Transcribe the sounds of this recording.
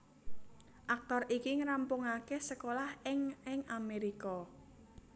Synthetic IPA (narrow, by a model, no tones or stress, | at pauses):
ʔak̚t̪ɔrikiŋɾampʊŋakesəkolahɪŋɪŋameɾikɔ